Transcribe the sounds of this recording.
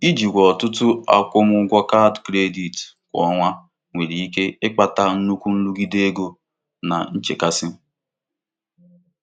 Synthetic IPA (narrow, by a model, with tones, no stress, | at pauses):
i˦d͡ʒi˨ɡʷɔ˨tʊ˦tʊ˦a̰˦kʷʊ˦mʊ˦ɡʷɔ˦ka˦dkɾe˦di˨t | kʷɔ̰˨˦ŋʷa˦ | ŋʷe˨ɾi˨i˦ke˦ɪ˦k͡pa˨ta˦n̩˦nu˦kʷu˦n̩˦lu˦ɡi˦de˦e˦ɡo˦ | na̰˨n̩˦t͡ʃḛ˨ka˦sɪ˦